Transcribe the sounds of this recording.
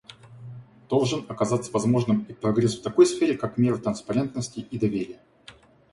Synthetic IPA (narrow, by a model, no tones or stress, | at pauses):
d̪̥o̞lˠʐɨnɐkɐzat̪sːəvɐzmo̞ʐnɨmipɾɐɡɾʲesft̪ɐko̞jsfʲeɾʲɪkakmʲe̞ɾɨt̪ɾənspɐɾʲe̞nt̪nəsʲtʲɪʔid̪ɐvʲeɾʲɪjə